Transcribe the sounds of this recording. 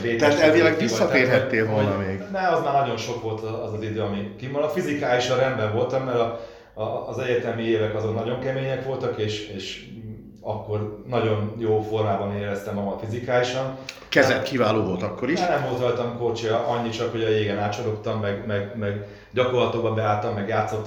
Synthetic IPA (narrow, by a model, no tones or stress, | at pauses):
veːt̪at̪ɛlveːlːɛɡʋisːɒt̪eːrɦɛt̪ːeːlvolnɒmeːɡnɛɒzmaːrnɒɟo̞nʃo̞kʋo̞lt̪ɒzɒzid̪øːɒmikimɒlɒfizikaːliʃɒrɛnbɛɱvo̞lt̪ɒmːɛɾɒː | zɛɟːɛrt̪ɛlmieːvɛkɒzo̞nnɒɟo̞ŋkɛmeːɲɛkʋo̞lt̪ɒkeːʃeːʃ | ɒkːo̞rnɒɟo̞njoːfo̞rmaːbɒneːɾɛst̪ɛmːɒmɒfizikaːliʃɒn | kɛzɛt̪kivaːloːvo̞lt̪ɒkːoɾinɛmoːlt̪ɒjt̪ɒmko̞rt͡ʃijɒʔɒɲːit͡ʃɒkho̞ɟɒjeːɡɛnaːt̪t͡ʃɒɾo̞kt̪ɒmːɛɡmɛɡmɛɡ | ɟɒko̞rlɒt̪oɡbɒmbɛaːt̪ːɒmːɛɡjaːt̪sːo̞t̪ː